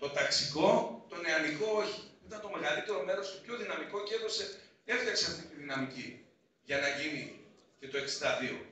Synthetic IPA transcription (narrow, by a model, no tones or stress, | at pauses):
t̪o̞t̪ɐksiko̞t̪o̞neɐmiko̞oçiit̪ɐnt̪o̞me̞ɣɐlit̪e̞ɾo̞me̞ɾo̞st̪opço̞ðinɐmiko̞ceðo̞se̞ | e̞fɐkseɐft̪it̪iðinɐmici | ʝɐnɐʝini | ce̞t̪o̞e̞kst̪ɐðio̞̰